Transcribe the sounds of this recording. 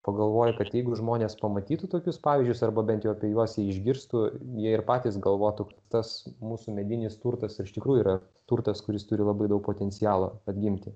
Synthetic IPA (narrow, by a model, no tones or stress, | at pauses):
pɐɡɐlˠʋoːjʊkɐt̪jɛɪɡʊʒmoːnʲeːspɐmɐt̪ʲiːt̪ʊt̪oːkʲʊspɑːʋʲizʲd͡ʒʲʊsɐrbɐbʲɛnt̪jɛʊɐpʲiɛjuɔsjiɛɪʒʲɡʲɪɾst̪ʊjiɛɪrpɑːt̪ʲiːsɡɐlˠʋoːt̪ʊkɐt̪t̪ɐsmuːsʊmʲɛd̪ʲɪnʲɪst̪urt̪ɐsɪɪʃʲt̪ʲɪkɾuːjʊiːɾɐ | t̪uːrt̪ɐskʊɾʲɪst̪ʊɾʲɪlˠɐbɐɪd̪ɐʊk̚poːt̪ʲɛnʲt͡s̪ʲɪjɑːlˠo̰ɐd̪ʲɡʲɪmʲt̪ʲɪ